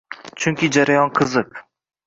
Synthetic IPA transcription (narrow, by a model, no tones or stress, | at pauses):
t͡ʃʰʊŋkʲɪd͡ʒaɾajɒnqʰɨzɨq̚